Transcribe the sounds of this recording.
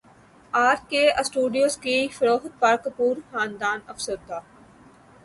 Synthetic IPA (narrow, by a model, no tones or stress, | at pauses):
aːɾkeəsʈuːɖijoːzkifɐɾoːxt̪̚paːɾkpuːɾxaːnd̪aːnɐfsəɾd̪aː